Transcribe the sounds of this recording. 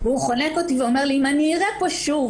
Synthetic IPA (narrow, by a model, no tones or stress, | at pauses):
veuχo̞nekot̪iveomeʁliimaniʁak̚poʃuv